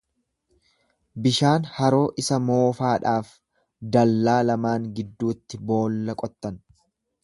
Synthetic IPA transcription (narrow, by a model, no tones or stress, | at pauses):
bɪʃaːnhɐɾo̞ːʔɪsɐmo̞ːfaːᶑaːf | d̪ɐlːaːlɐmaːŋɡɪd̪ːuːt̪ːɪbo̞ːlːɐkʼɔt̪ːɐn